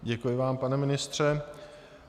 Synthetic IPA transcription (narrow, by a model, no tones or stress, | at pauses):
ɟɛkujɪvaːmpanɛmɪnɪst̪r̝̥ɛ